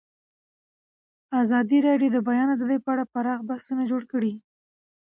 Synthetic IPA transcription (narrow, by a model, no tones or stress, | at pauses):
azɑd̪iɾɑɖjod̪əbajɑnazaləjpəaɽapaɾɑɣbahsunad͡ʒoɽkəɽi